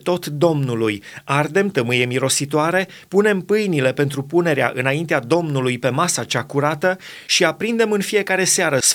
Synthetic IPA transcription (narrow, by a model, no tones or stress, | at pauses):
t̪o̞t̪d̪o̞mnulujard̪e̞mt̪əmɨjemiɾo̞sit̪oaɾe̞ | pune̞mpɨjnile̞pe̞nt̪ɾupune̞ɾea̰ʔɨ̰naint̪ead̪o̞mnulujpe̞masat͡ʃakuɾat̪ə | ʃiapɾind̪e̞mɨnfije̞kaɾe̞seaɾəs